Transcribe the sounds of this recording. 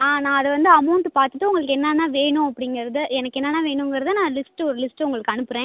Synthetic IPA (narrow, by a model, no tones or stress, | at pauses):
aːnãːɐðɛʋɐnd̪ɯɐmɐʊɳʈɯpaːɾt̪ɯt̪ːɯ̃ʊŋɡɐɭɯkːɛnːɐnaːʋeːɳʊ̃ɐpːɐɽɪŋɡɐɾɐðɯɛnɐkːɛnːɐnːaːʋeːɳʊ̃ŋɡɐɾɐðɯnãːlɪsʈɯɔɾɯlɪsʈɯʊŋɡɐɭɯkːɯɐnɯpːɯɾẽː